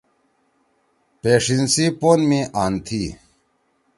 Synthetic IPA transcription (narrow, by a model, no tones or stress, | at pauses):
peːʂinsipoːnmĩʔaːnt̪ʰiː